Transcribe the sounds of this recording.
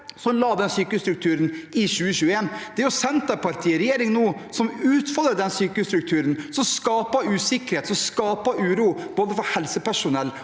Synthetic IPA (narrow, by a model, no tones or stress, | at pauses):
sɔmlɑːd̪ɛnsyːkəst̪ɾʉk̚t̪ʰʉːɾənʔɪɕʉːəɕʉːəeːnd̪̥ɛæɾjʊsɛnt̪ɑpʰɑɾt̪ʰiːɾɛjeːɾɪŋnuːsɔmʉːt̪fɔlɾəd̪ɛnsyːkəst̪ɾʉk̚t̪ʰʉːɾənsɔmskɑːpɑʉːsɪkəɾheːt̪sɔmskɑːpɑʉːɾuːb̥oːd̪əfɔɾhɛlsəpʰæʂʊnɛlː